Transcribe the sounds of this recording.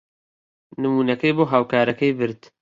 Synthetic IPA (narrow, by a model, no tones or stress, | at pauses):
nɨmuːnɐkɐjboːɦaːwkaːɾɐkɐjbɨɾt̪